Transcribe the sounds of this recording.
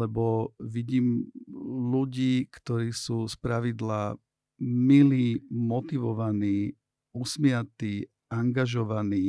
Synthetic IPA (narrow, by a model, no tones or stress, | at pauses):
ɛbɔʋiɟiːm | luɟiːkt̪ɔɾiːsuːspɾaʋid̪la | miliːmɔt̪iʋɔʋaniː | usmɪat̪iː | aŋɡaʒɔʋaniː